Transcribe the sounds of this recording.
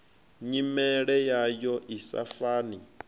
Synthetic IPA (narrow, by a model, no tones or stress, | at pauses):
ɲimɛɺɛjajɔʔisa̰faːni